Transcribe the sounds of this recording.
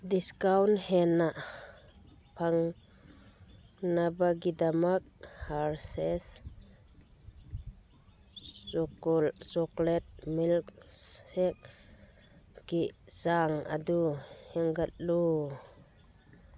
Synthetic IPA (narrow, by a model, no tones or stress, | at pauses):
diskawnhɛnaʔ | pʰaŋ | nabaɡid̪amak̚haɾsɛs | ɔkɔlt͡ʃɔklɛt̚milksɛk̚ | kiʔz̥aŋa̰d̪uhɛŋɡat̪̚lu